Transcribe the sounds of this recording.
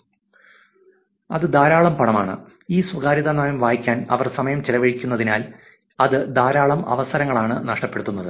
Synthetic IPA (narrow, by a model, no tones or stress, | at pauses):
ɐ̰ðɨd̪aːɾaːɭɐmpɐɳɐmaːɳɨ̰ | iːswɐɡaːɾiðanaːjɐmʋaːjikʲːaːnɐ̰ʋɐrsɐmɐjɐmt͡ɕilɐʋɐɻikʲːunːɐðinaːl | ɐðɨd̪aːɾaːɭɐmɐ̰ʋɐsɐɾɐŋːɐɭaːɳɨnɐʂʈɐpːe̞ɽut̪ːunːɐðɨ